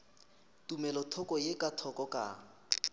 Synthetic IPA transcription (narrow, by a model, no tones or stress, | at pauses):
tumɛlɔtʰɔkɔjekʼatʰɔkɔkʼa̰